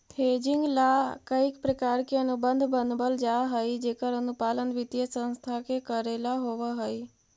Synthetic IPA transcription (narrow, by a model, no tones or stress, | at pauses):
pʰeːd͡ʒɪ̃ŋɡlakəikpɾəkaːɾkeənubə̃nd̪ʱbənbəld͡ʒaɦəid͡ʒeːkəɾənupaːlənʋɪt̪jəsə̃nst̪ʰakekəɾelaɦoʋəɦəi